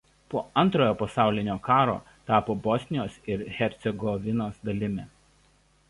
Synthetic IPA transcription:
poːɐnt̪ɾoːjoːpɐsɑˑʊlʲɪnʲoːkɑːɾo̰ː | t̪ɑːpoːbɔsʲnʲɪjoːsɪɾxʲɛɾʲt̪sʲɛɡɔʋʲɪnoːsd̪ɐlʲɪmʲɛːˑ

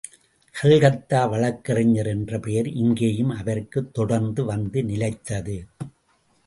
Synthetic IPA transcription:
sɛlɣɐt̪ːaːʋɐɭɐkːɐrɐɲːɐɾɛndrɐpɛjɐɾɪŋɡeːjɯmɐʋɐrkɯt̪ːɔɽɐɾnd̪ɯʋɐnd̪ɯnɪlɐɪt̪ːɐðɯ

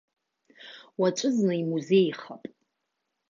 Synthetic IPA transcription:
wat͡ʃʷʼɨznɨimuze̞jχapʼ

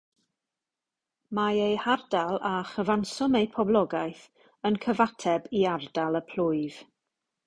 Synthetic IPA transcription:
maejhardalˠaχəvansɔmejpʰɔblˠɔɡajθ | ənkʰəvatʰɛbiardalˠəpʰl̥ʊɨv̥

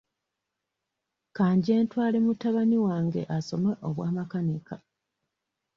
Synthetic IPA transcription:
kaːɲɟie̞ːntwaːlemutːaβaniwaːŋɡe̞̰ʔaso̞meʔoβwaːmakaneka

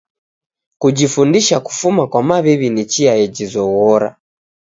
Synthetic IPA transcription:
kud͡ʒifundiʃaku̥fumakwamaβɛβinit͡ʃiajɛd͡ʒizɔɣɔɾa̰

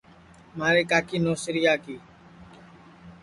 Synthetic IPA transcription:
maːɾeːkaːkiːnoːsɾɪjaːkiː

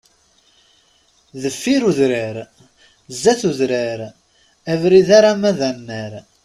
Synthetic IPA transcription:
ðəfːiɾuðɾəɾ | zːæθuðɾəɾ | ævɾiðaɾamæðænːəɾ

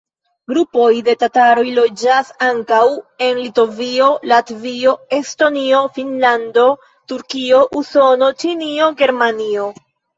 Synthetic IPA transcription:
ɡɾupo̞jde̞tataɾo̞jlo̞d͡ʒasaŋkawe̞nlito̞vio̞latvio̞e̞sto̞nio̞finlando̞ | tuɾkio̞ʔuso̞no̞t͡ʃinio̞ɡe̞ɾmanio̞

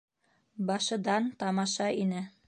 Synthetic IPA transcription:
bɑʃɤ̆d̪ɑnt̪ɑmɑʃɑinɘ

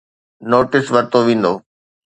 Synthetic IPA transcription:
noːʈɪsʋɐɾt̪oʋĩːn̆d̪oː

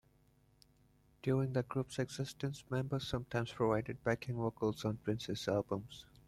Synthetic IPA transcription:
d̥juːɹɪ̃ŋd̪əɡɾupsɛɡz̥ɪsʈə̃nsmɛ̃mbəz̥ːʌ̃mʈʰãɪ̃mz̥pʰɹovaɪɖɪɖ̚bækɪ̃ŋwəkəlˠzɔ̃npʰɹɪ̃nsɛsælbə̃mz̥

